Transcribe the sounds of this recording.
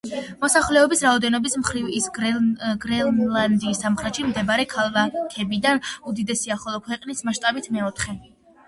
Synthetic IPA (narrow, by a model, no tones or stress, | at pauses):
mɔsaχlɛɔbisɾaɔd̪ɛnɔbismχɾivis | ɡɾɛland̪iːsːamχɾɛt̪ʃimd̪ɛbaɾɛkʰalˠvakʰɛbid̪anud̪id̪ɛsiaχɔlˠɔkʰwɛqʼnismaʃt̪ʼabit̪ʰmɛɔt̪ʰχɛ